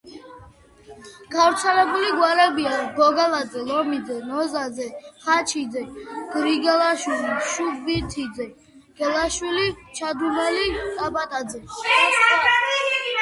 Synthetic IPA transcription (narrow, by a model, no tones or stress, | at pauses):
ɡ̥avɾt̪sʰɛlɛbuliɡwaɾɛbiaɡɔɡalad̪zɛlɔmid̪zɛnɔzad̪zɛχat͡ʃʰid̪zɛɡ̥ɾiɡɛlaʃwiliʃudbit̪ʰid̪zɛ | ɡ̥ɛlaʃwilit͡ʃʰad̪winɛlitʼapʼat̪ʼad̪zɛ